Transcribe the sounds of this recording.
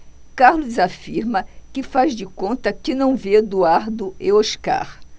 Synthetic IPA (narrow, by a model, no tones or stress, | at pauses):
kaɾluzafiɾmɐkɪfazd͡ʒɪkõnt̪ɐkɪnɐ̃w̃ved̪uaɾd̪ʊeoʃka̰ɾ